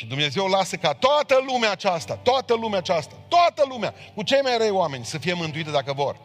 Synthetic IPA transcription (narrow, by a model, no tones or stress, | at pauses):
ʃid̪umne̞zewlasəkat̪oat̪əlumeaːt͡ʃast̪at̪oat̪əlumeat͡ʃast̪at̪oat̪əlumea̰kut͡ʃe̞jmajɾəjoame̞nʲsəfije̞mɨnt̪uit̪d̪akəvo̞r